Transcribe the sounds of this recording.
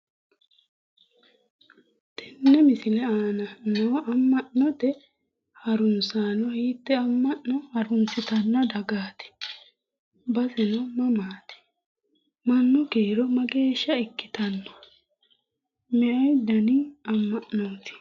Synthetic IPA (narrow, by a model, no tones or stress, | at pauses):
t̪ɛnːɛmɪsɪlɛaːnɐnoːʔɐmːɐʔnɔt̪ɛ | hɐɾʊnsaːnɔɐjit̪ːɛɐmːɐʔnɔhɐɾʊnsɪt̪ɐnːɐd̪ɐɡaːt̪ɛ̥ | bɐsɪnɔmɐmaːt̪ɛ̥ | mɐnːʊkeːɾɔmɐɡe̞ːʃːɐɪkːɪ̥t̪ɐnːɔ | mɛʔɐjd̪ɐnɪɐmːɐʔnoːt̪ɪ̥